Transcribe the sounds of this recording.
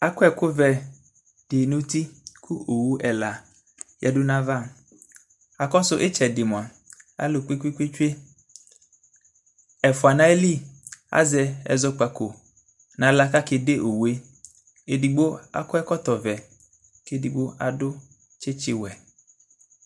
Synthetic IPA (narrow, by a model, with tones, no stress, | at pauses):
a˨kʊ˦ɛ˦˨kʊ˦vɛ˨ | d̥e˨no˦t̪i˦kʰu˦o˨wu˦ʔɛ˨la˨ | jʔɛ̰˨dʊ˦nã˦va˦˨ | a˨kɔ˦sʊ˦ʔe˦t͡ʃɛ˨dɪ˨m˨a˨ | a̰˦lo˨k͡pi˦kʷi˦kʷi˦t͡ʃu˦e˦ | ɛ˨fʊ˨a˨nã˦e˦li˦˨a̰˦zɛ˨ɛ̰˨zɔ˦k͡pa˨ko˨ | nã˨˦la˦ka˦ke˨de˦ʔo˨we˦ | e˨di˨ɡ͡bo˦a̰˨kʊ˦ɛ˦kɔ˦t̪ɔ˨vɛ˨ | ke˦di˨ɡ͡bo˦a̰˨dʊ˦ | t͡ʃe˦t͡ʃɪ˨wɛ˨